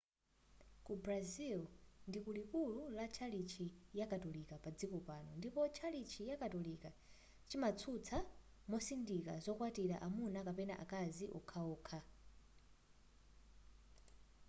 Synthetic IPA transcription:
kubɾazilndikulikululat͡ʃʰalit͡ʃʰijakʼatɔlikapad͡zikɔpaːnɔndipɔt͡ʃʰalit͡ʃʰijakʼatɔlika | t͡ʃimat͡sʰut͡sʰa | mɔsindika̰zɔkwatiɾa̰ʔamunakapɛna̰ʔa̰kʼaziʔɔ̰kʰaɔːkʰa

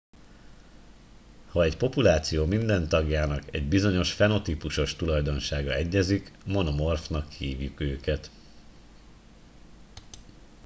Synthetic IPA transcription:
hɒɛcpo̞pulaːt̪sijoːmind̪ɛnt̪ɒɡjaːnɒkɛɟbizo̞ɲo̞ʃfɛno̞t̪ipuʃo̞ʃt̪ulɒjd̪o̞nʃaːɡɒɛɟːɛzikmo̞nomo̞rfnɒkːiiːvjukøːkɛt̪

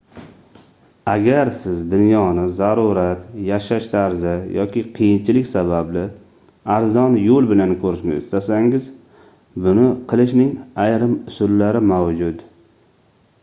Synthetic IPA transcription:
aɡʲaɾsɪzd̪ʊnjɒnɪzaɾuɾat̪jaʃaʃt̪ʰaɾzɪjɒ̰kʲɪqʰɨjɪnt͡ʃʰɪlɪkʲsabablɪ | aɾzɒnjolˠbɪlankʰɵɾɪʃnɪ̰ɪst̪asaŋɪz | bʊnɪqʰɨlˠɪʃnɪŋajɾɪmʊsʊlːaɾɪmawd͡ʒʊt̪

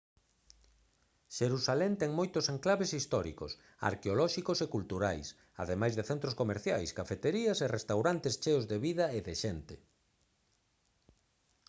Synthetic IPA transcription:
ʃeɾusalɛnt̪ɛŋmojt̪oseŋklaβesist̪ɔɾḭko̰s | a̰ɾkeolɔʃikosekult̪uɾa̰js | a̰ðemajzðeθent̪ɾoskomeɾθja̰jskafet̪eɾiɐserest̪awɾant̪est͡ʃeozðeβiðɐeðeʃent̪e

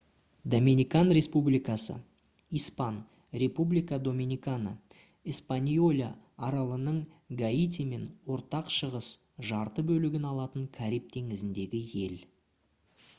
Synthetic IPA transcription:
d̪omʲinijkanɾe̞spublijkɑsə̰ | ijspan | ɾe̞publijkad̪o̞mʲinijkanə̰ | ispanʲjolʲaː | ɾɑlˠənəɴ | ɡait̪ʲime̞nwo̞ɾt̪ɑqʃəʁəs | ʒɑɾt̪əbɵlɪɡʲɪnɑlˠɑt̪əŋkʲʰaɾijp̚t̪ʰe̞ŋɪzɪnd̪e̞ɡʲɪje̞l

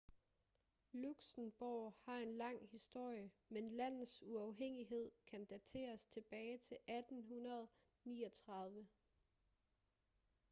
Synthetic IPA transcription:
luɡ̥sn̩b̥ɒːhɑ̈e̝nlɑ̈ŋ̰hisd̥o̝ɐ̰jəmenlæn̰ð̩ˠsuɑ̈ʊɦeŋ̰iɦe̝ð̞̰ˠkʰænd̥æt͡sʰe̝̰ːɐst͡sʰe̝b̥ɛːɪt͡sʰe̝lʔæd̥n̩ɦunɐð̞̩ˠ | nḭːɒt͡sʰʁɑ̈ð̞ˠʋə

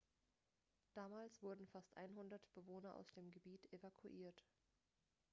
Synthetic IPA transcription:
d̥aːmaːlsv̥ʊɐdn̩fastʔa̰ɪnɦʊndɐtb̥əvoːnɐʔa̰ʊsd̥eːmɡəbiːtʰevakʰuʔiːɐt

